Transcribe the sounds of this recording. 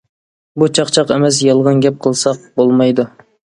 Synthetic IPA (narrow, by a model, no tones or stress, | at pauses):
but͡ʃʰɑqt͡ʃʰɑqɛmɛs̬jɑlˠʁənɡʲɛp̚qʰəlˠsɑq̚bolˠmɑjd̪u